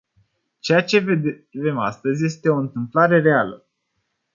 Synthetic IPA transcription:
t͡ʃejat͡ʃe̞ | ve̞mast̪əzʲje̞st̪e̞o̞ɨnt̪ɨmplaɾe̞ɾe̞alə

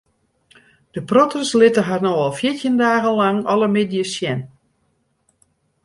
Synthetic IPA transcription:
d̥əprotəslɪtəɦarnoɔlˠfjɪtjəndaːɣənlaŋɔləmɪdjəsjɛn

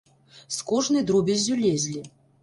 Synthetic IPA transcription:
skɔʐnɨjd̪ɾubʲezʲːulʲezʲlʲi

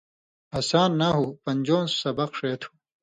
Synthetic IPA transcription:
ɐsaːnːaɦuːpɐɲʲd͡ʑoːnssɐbɐqʂeːt̪ʰu̥

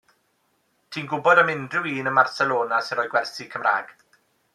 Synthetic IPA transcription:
tʰiːnɡʊbɔdəmɪndrɪwiːnənmarsɛlˠoːnasɪnɔjɡwɛrsikʰəmra̰ːɡ̥

